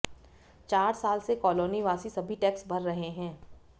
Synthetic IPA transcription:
t͡ʃaːɾsaːlsekɔːloːniʋaːsisɐbʱiʈɛːksbʱɐɾːɐɦeɦɛ̃ː

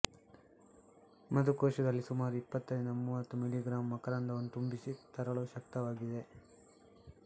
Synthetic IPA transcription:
mɐd̪ukoːʃɐd̪ɐlːisumaːɾuipːɐt̪ːɐjnd̪ɐmuːʋɐt̪ːumiliɡɾaːmːɐkɐɾaːnd̪ɐʋɐnːut̪umbisit̪ɐɾɐɭuːʃɐkt̪ɐʋaːɡid̪e̞

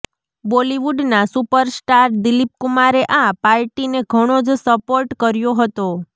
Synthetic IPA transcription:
boliʋuɖnasupəɾsʈaɾd̪ilip̚kumaɾeʔãpaɾʈineɡʱəɽ̃od͡ʒsəpoɾʈkəɾjoɦət̪o

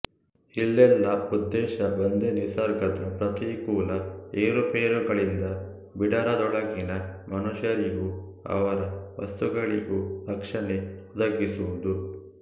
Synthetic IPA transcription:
ilːɛlːɐud̪ːɛːʃɐbɐnd̪enisɐɾɡɐd̪ɐpɾɐt̪ikuːlɐeːɾupeːɾuɡɐɭind̪ɐ | biɖɐɾɐd̪ɔɭɐɡinɐmɐnuʃjɐɾiɡu | ɐ̰ʋɐɾɐʋɐst̪uɡɐɭiɡuɾɐkʂɐneud̪ɐɡisuʋud̪u

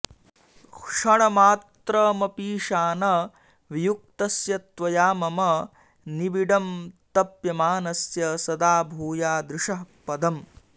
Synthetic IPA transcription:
kʂɐɳɐmaːt̪ɾɐmɐpiːʂaːnɐ | ʋijuk̚t̪ɐsjɐt̪ʋɐjaːmɐmɐ | nibiɖɐmt̪ɐpjɐmaːnɐsjɐsɐd̪aːbʱuːjaːd̪ɾɪʂɐɦpɐd̪ɐm

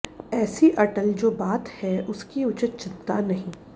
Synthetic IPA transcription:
ɛːsiʔɐʈəld͡ʒoːbaːt̪hɛʔʊskiʊt͡ʃɪt̪̚t͡ʃɪt̪ːanɐɦĩː

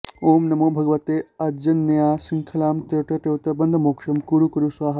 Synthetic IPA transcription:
oːmnɐmobʱɐɡʋat̪eɐd͡ʑɐnːɐjasiŋkʰɐlaːmt̪eʈɐʈewt̪ɐbɐnd̪ʱəmokʂɐmkuɽukɐɾusʋaɦɐ

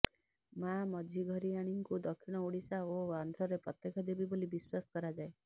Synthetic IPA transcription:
mamɔd͡ʒʱiɡʱɔɾiaɽ̃iŋkud̪ɔkʰːiɽ̃ɔuɽisaoand̪ʱʰɾɔɾepɾɔt̪jekʰɔd̪ebibolibiswasɔ̥kɔɾad͡ʒae

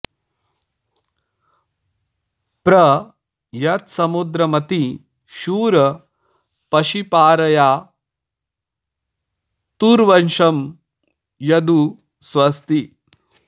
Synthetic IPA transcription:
pɾɐ | jɐt̪sɐmud̪ɾɐmɐt̪i | ʃuːɾɐ | pɐʃipaːɾɐjaː | t̪uɾʋɐnʃɐm | jɐd̪u | sʋɐst̪i

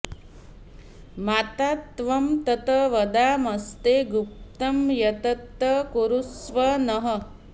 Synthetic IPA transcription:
maːt̪aːt̪ʋɐmt̪ɐt̪ɐʋɐd̪aːmɐst̪eːɡup̚t̪ɐmjɐt̪ɐt̪ːɐkuɾusʋɐnɐɦə

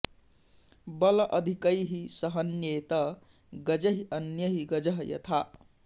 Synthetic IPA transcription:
bʌlʌʔʌd̪ʱikʌjɦisʌɦʌnjet̪ʌ | ɡʌd͡zʌɦiʔʌnjʌɦiɡʌd͡zʌɦjʌ̰t̪ʰa

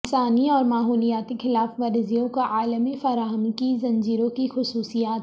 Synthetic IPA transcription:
ɪnsaːniɔːɾmaːɦuːlijaːt̪exɪlaːfʋɐɾzijõkaʔaːləmifɐɾaːɦəmkizɐ̃nd͡ʒiːɾõkixʊsuːsijaːt̪

